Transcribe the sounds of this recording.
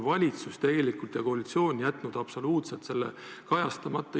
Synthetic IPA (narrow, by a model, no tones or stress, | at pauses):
vɑlʲit̪sust̪e̞ɡ̥e̞likult̪jɑko̞ɑlit̪sio̞ːnʲjæt̪ˑnud̪̥ɑpso̞luːt̪selt̪se̞lːḛ | kɑjɑst̪ɑmɑt̪ˑːɑ